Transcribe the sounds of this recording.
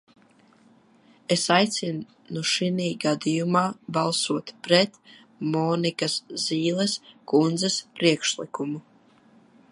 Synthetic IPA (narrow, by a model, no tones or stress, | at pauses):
esajt̪sin | nuʃiniːɡad̪ijumaːbalˠsuɔt̪pɾɛt̪ | mɔːnikasziːlˠɛskund̪zɛspɾiɛkʃlikumu